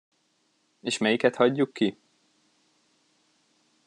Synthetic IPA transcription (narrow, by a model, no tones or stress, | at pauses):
eːʃmɛjikɛt̪hɒɟːukːi